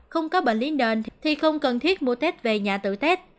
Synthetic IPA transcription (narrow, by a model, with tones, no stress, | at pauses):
xə˧wŋ͡mkɔ˨˦ɓə̰˧˨nli˨˦ənɗwe˨˩nt̪ʰt̪ʰi˨˩xə˧wŋ͡mkə˨˩nt̪ʰi˦˥ət̚mu˨˧˩t̪e˦˥t̚ve˨˩ɲaː˨˩t̪ɨ̰˧˨t̪ɛ˦˥t̚